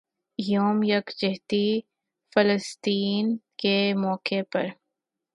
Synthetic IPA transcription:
joːmjɐkd͡ʒɪɦt̪i | fələst̪iːnkemɔːkepɐ̰ɾ

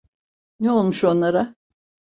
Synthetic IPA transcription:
nɛo̞lˠmuʃo̞nlˠaɾa

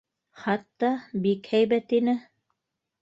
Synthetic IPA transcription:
χɑt̪ːɑbikhæjβæt̪inɘ

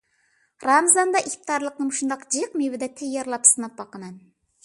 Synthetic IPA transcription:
ɾɑmzɑnd̪ɑʔikʲt̪ɪd̪ɑɾlˠəq̚nɨmʃund̪ɑqd͡ʒijqmewɪd̪ɛt̪ʰejːɛɾlˠɑpsɨnɑp̚bɑqəmɛn

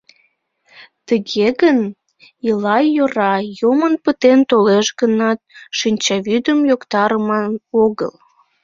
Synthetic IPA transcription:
t̪əɣeɣən | əlɑjoɾɑjomənpət̪ent̪oleʃɣənɑt̪̚ʃinʲt͡ɕɑβyd̪əmjokt̪ɑɾəmɑnoɣə̰l

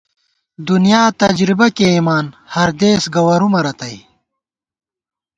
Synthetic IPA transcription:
d̪unijaːt̪ɐd͡ʑɾibɐkeimaːnhɐɾd̪eːsɡɐwɐɾumɐɾɐt̪ɐj

